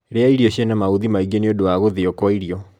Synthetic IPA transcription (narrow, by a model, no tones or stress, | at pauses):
ɾeaiɾioɕjenamauðimaiɡeneodowaɣoðeokwaiɾiɔ